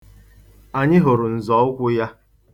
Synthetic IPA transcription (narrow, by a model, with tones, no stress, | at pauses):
a˨ɲɪ˦ɦo˨ɾʊ˨n̩˨zɔ˨˦ʊ˦kʷʊ˦ja˦